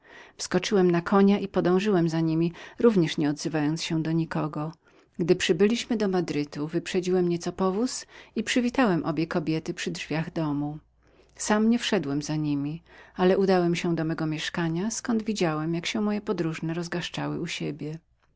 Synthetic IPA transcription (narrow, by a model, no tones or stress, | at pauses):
fskɔt͡ʂɘwɛmnakʰɔɲaʔipɔd̪ɔ̃w̃ʐɘwɛmzaɲimʲiɾuvɲɛʂɲɛɔd̪zɘvajɔnt̪sɕɛd̪ɔɲikɔɡɔ | ɡd̪ɘpʂɘbɘlʲiɕmɘd̪ɔmad̪ɾɘt̪uvɘpʂɛd͡ʑiwɛmɲɛt̪sɔpɔvusipʂɘvʲit̪awɛmʔɔbʲjɛkɔbʲjɛt̪ɘpʂɘdʐvʲjaɣd̪ɔmu | samɲɛfʂɛd̪wɛmzaɲimʲialɛʔud̪awɛmɕɛd̪ɔmɛɡɔmʲjɛʂkaɲaskɔnd̪vʲid͡ʑawɛmjakɕɛ̃mɔjɛpɔd̪ɾuʐnɛɾɔzɡaʂt͡ʂawɘ̰uɕebʲjɛ